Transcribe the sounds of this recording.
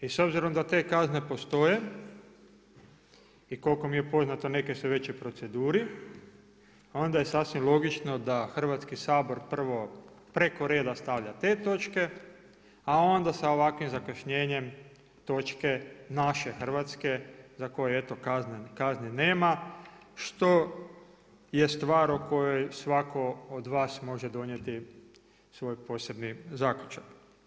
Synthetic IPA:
iso̞bziɾo̞md̪at̪e̞ːkazne̞po̞st̪o̞je | iko̞lko̞mije̞po̞znat̪o̞ne̞kesuʋe̞t͡ɕipɾo̞t̪se̞d̪uːɾi | o̞nd̪aje̞sasʋimlˠo̞ɡit͡ʃno̞d̪axr̩ʋat̪skisaːbo̞ɾpr̩ʋo̞pɾe̞ko̞ɾe̞ːd̪ast̪aʋʎat̪e̞ːt̪o̞t͡ʃke̞ | ao̞nd̪asao̞ʋakʋimzakaʃɲe̞ːɲem | t̪o̞t͡ʃke̞naʃexr̩ʋat̪ske̞zako̞joet̪okaznekaznineːmaʃt̪o̞ | je̞st̪ʋaːɾoko̞jojsʋako̞od̪ʋaːsmo̞ʒed̪o̞njet̪i | sʋo̞ːjpo̞ːse̞bnizaːkʎut͡ʃak

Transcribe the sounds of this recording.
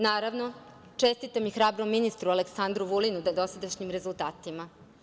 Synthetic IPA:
naːɾaʋno̞ | t͡ʂest̪it̪amixɾaːbɾomːinist̪ɾualeksand̪ɾuʋulinud̪ad̪o̞sad̪aʃɲimɾe̞zulˠt̪aːt̪ima

